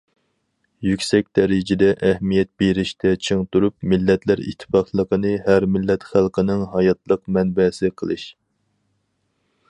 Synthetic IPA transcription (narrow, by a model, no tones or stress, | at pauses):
jykʲsɛk̚ʲd̪̥ɛɾɪd͡ʒɪd̪ɛʔɛhmijɛt̪̚beɾɪʃt̪ʰɛt͡ʃʰɨŋt̪uɾupmɪlːɛt̪læɾḭt̪ʰːɪ̥fɑqlˠəqənɨɦæɾmɪlːɛt̪χælˠqənɨŋɦɑjɑt̪lˠəqmɛnbɛsɪqʰə̰lˠɨʃ